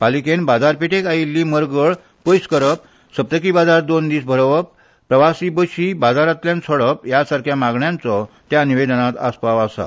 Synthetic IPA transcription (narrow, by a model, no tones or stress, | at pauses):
palikenbad͡zaɾpeʈekailːiməɾɡəɭ | pəjskəɾəp̚ | sət̪əkiːbad͡zaɾd̪ond̪iːsbʱəɾʋəpː | ɾəʋasibəɕiːbad͡zaɾat̪ljãnt͡sʰəɽəp̚jasaɾkʰjamaɡɳjãnt͡sɔ | t̪janiʋed̪nat̪aspaʋasa̰